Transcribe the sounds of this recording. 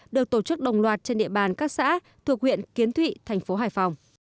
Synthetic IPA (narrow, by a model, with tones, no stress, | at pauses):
ɗɨ˨˩ək̚t̪o˧˩t͡ɕɨ˦˥k̚ɗə˨˩wŋ͡mlwaː˨˩t̚t͡ɕe˧nɗḭ˧˨əɓaː˨˩nkaː˦˥k̚sa̰ː˧˥ | t̪ʰu˨˩ək̚hwḭ˧˨ənki˨˦ənt̪ʰwḭ˧˨t̪ʰa˨˩jŋ̟fo˨˦ɦaː˧˩jfa˨˩wŋ͡m